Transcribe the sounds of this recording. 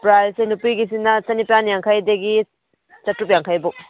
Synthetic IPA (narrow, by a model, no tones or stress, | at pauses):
pɾajsenupiɡisinːɐsɐnipjanjaŋkʰajdɐɡi | t͡ʃɐtɾup̬jaŋkʰajbuk̚